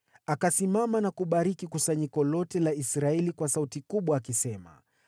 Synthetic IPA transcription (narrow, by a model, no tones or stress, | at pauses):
akasimamanakuɓaɾikikusaɲikɔlɔtɛlaisɾaɛlikwasautikuɓwaːkisɛma̰